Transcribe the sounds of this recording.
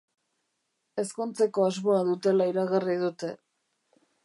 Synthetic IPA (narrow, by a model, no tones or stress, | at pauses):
e̞skunt͡se̞ko̞azmoaðut̪e̞laiɾaɣarið̞ut̪e̞